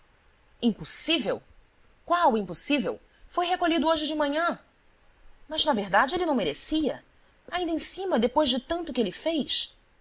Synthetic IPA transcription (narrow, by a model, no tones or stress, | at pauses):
ĩposivew | kwawʊĩposivew | fojɦekolʎid̪ʊoʒɪd͡ʒɪmɐ̃ɲɐ̃ | mɐznɐveɾd̪ad͡ʒɪelɪnɐ̃w̃meɾesiɐ | aĩd̪ẽsĩmɐd̪epojʒd͡ʒɪt̪ɐ̃nt̪ʊkɪelɪfejs